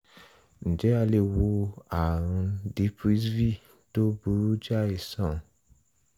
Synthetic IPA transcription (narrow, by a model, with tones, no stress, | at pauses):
n̩˨d͡ʒɛ˨˦a˧le˧˨wo˧a˨ɾ̃ũ˧di˨˦pɾi˦svi˦ | to˦bu˨˦ɾu˦d͡ʒa˦e˨sɔ̃˦˨